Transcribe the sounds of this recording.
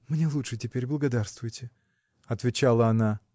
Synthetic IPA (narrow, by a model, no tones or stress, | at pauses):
mnʲelˠutʂɨtʲɪpʲeɾʲblˠəɡɐd̪arst̪vʊjɪtʲɪ | ɐt̪vʲɪt͡ɕalˠəɐna